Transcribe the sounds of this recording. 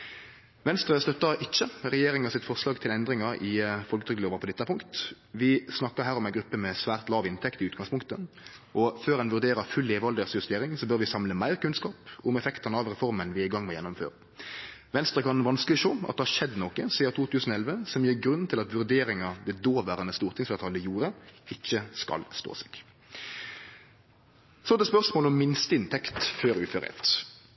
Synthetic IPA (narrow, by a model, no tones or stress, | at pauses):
ʋɛnst̪ɾəst̪œt̪ːɑʔɪt͡ʃːəɾɛjeːɾɪŋɑsɪt̪fɔʁslɑːɡt̪ʰɪlɛnd̪ɾɪŋɑɾɪfɔlkət̪ʰʏɡd̪loːʋɑʁpʰɔd̪ɛt̪ːəæpʰʊŋkt̪ | ʋɪsnɑkːɑɦæːɾɔmæɪnɡɾʉpːəmɛsʋæːʁt̪lɑːʋɪnt̪ʰɛkt̪ɪʉːt̪ɡ̥ɑŋspʊŋkt̪ə | ʔɔføːʁɛnʋʉʁd̪eːɾɑfʉlːeːʋɑld̪əʁsjʉst̪eːɾɪŋsɔbœɾʋɪsɑmləmæɪʁkʉnskɑːpʊmɛfɛkt̪ɑnəɑʋʁɛfɔɾmənʋɪæɪɡɑŋːmɛjɛnːʊmfø̰ːɾə | ʋɛnst̪ɾʁəkɑnʋɑnsklɪʃoːɑ̰t̪d̪ɛhɑʂɛd̪ːnoːkəsiːd̪ɑt̪ʰuːt̪ʰʉːsənɔɛlʋəsɔmjiːɾɡɾʉnːt̪ʰɪlɑt̪ʋʉɾd̪eːɾɪŋɑd̪ɛd̪oːʋæːɾənɛnst̪uːʁt̪ʰɪŋsæt̪ʰɑlːəjuːɾəɪçːəskɑ̰lst̪o̰ːsɛ̥ɡ̥ | sɔd̪ɛspœʁsmoːlɔmːɪnst̪əɪnt̪ʰɛkt̪føːʁʉːføːɾɛ̰t̪